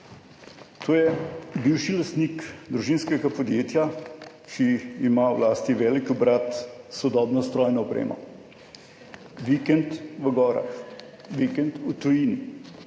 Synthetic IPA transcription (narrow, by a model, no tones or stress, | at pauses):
t̪ʰoːjɛbiwʃilast̪nikd̪ɾuʒiːnskɛɡapɔd̪jeːt̪ja | kiːmawlaːst̪iʋɛːlikɔbɾat̪sɔd̪ɔːbnɔst̪ɾɔːjnɔɔpɾḛːmɔ̰ | ʋikɛnt̪ʋəɡɔːɾa̰x | ʋikɛnt̪ut̪ujini